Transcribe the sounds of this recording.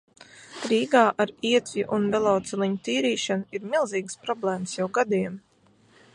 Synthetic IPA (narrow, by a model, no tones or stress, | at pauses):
ɾiːɡaːʔaɾiɛt̪vʲiʔunvɛlˠɔːt̪sɛlˠiɲut̪iːɾiːʃanuiɾmilˠziːɡspɾɔblˠɛːmsjawɡad̪im